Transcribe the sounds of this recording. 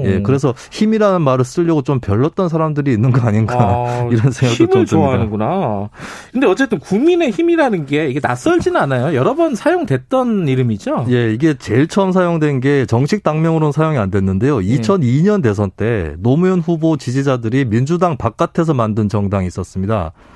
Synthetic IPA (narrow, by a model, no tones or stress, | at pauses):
je̞kɯɾe̞sʰʌ | çimiɾanɯnmaɾɯɭs͈ɯʎːʌɡot͡ɕompjʌɭːʌt̚t͈ʌns̬ʰaɾamdɯɾiːnːɯnɡʌaɲinɡaaiɾʌnsʰe̞ŋɡak̚omoɭt͡ɕoaɦanɯnɡuna | kɯndeʌt͡ɕ͈e̞t͈ɯnkuŋmine̞çimiɾanɯnɡe̞iɡe̞na̰s͈ʌɭd͡ʑinɯnanajojʌɾʌbʌnsʰajoŋdwe̞t̚t͈ʌniɾɯmid͡ʑoje̞iɡe̞t͡ɕe̞ɭt͡ɕʰʌmsʰajoŋdwe̞nɡe̞t͡ɕʌŋɕʰik̚t͈aŋmjʌŋɯɾosʰajoŋiandwe̞nːɯnde̞joit͡ɕʰʌniɲʌnd̬e̞s̬ʰʌnt͈e̞nomujonɸubot͡ɕid͡ʑid͡ʑadɯɾimind͡ʑudaŋpak̚k͈atʰe̞s̬ʰʌmandɯnt͡ɕʌŋdaŋiːs͈ʌs͈ɯmɲida̰